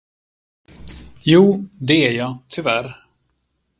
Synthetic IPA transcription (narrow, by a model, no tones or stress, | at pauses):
juːd̪ɛæɾjɑːt̪ʰʏvæɾ